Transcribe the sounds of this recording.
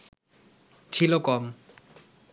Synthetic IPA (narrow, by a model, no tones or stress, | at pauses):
t͡ʃʰilokɔm